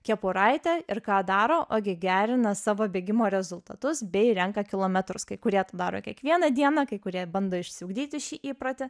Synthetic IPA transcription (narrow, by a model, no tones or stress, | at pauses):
kʲɛpʊɾɐɪt̪ʲɛɪɾkɑːd̪ɑːɾoːʔʔoːɡʲɪɡʲæːɾʲɪnɐsɑːʋoːbʲeːɡʲɪmoːɾʲɛzʊlˠt̪ɐt̪ʊsbʲɛɪɾʲɛŋkɐkʲɪlˠoːmʲɛt̪ɾʊskɐɪkʊɾʲiɛt̪ɐd̪ɑːɾoːkʲiɛkʋʲiɛnɐd̪ʲiɛnɑkɐɪkʊɾʲiɛbɐnd̪oːɪʃʲsʲɪʊɡd̪ʲiːt̪ʲɪʃʲiːʔiːpɾɐt̪ʲɪ